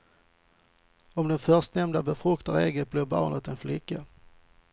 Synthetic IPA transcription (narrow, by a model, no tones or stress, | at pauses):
ɔmd̪ɛnfœʂt̪nɛmd̪abɛfɾɵkt̪aɾeːɡət̪̚blɪɾbɑ̰ːnət̪ɛnflɪkːa